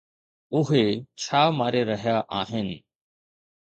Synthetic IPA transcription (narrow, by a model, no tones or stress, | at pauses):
ʊɦet͡ɕʰaːmaːɾeɾɐɦjaʔaːɦɪnɪ̆